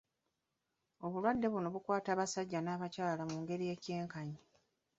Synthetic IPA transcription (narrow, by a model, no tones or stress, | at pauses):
o̞βulwadːe̞βuno̞βukwaːtaːβasaɟːanaːβacaːlamuːŋɡe̞ɾije̞ːce̞ːŋkaɲi